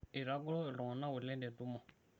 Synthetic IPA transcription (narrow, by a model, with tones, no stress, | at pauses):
e˨ɾa˦ɡɔ˦lɔ˦˨lɔ̃˨nã˦wu˨lɛ̃˦dɛ˨du˦mɔ̃˨